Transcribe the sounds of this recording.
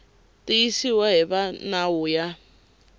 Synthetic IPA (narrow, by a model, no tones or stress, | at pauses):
tiisiwaɦɛβanauja